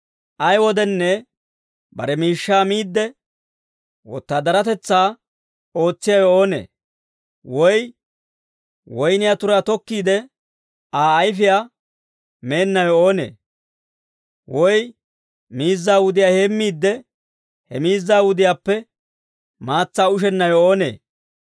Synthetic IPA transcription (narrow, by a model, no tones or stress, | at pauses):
ʔɐjwɔd̪ɛnːɛ | bɐ̰ɾɛmiːʃːaːmiːd̪ːɛ | wɔ̰t̪ːaːd̪ɐɾɐt̪ɛt͡sːaː | o̞ːt͡sːɪjajɔoːnḛː | wɔj | wɔjnɪjaːt̪ʊɾaːt̪ɔkːiːd̪ɛ | aːjfɪjaː | me̞ːnːɐjɔoːnḛː | wɔj | miːzːaːwʊd̪ɪjaːheːmːiːd̪ːɛ | hɛmiːzːaːwʊd̪ɪjaːpːɛ | maːt͡sːaːʊʃ̬ɛnːɐjɔoːnḛː